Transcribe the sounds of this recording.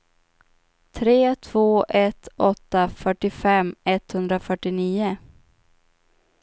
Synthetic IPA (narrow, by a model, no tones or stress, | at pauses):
t̪ʰɾeːt̪ʰvoːʔɛt̪ʰɔt̪ːafœʈɪfɛmːɛt̪hɵnd̪ɾafœʈɪniːʊ